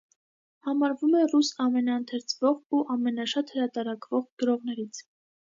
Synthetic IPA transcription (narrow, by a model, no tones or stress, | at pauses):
hɑmɑɾvumɛrusɑmɛnɑənt̪ʰɛɾt͡sʰvɔʁuʔɑmɛnɑʃɑt̪həɾɑt̪ɑɾɑkʰvɔʁɡ̥əɾɔʁn̪ɛɾit͡sʰ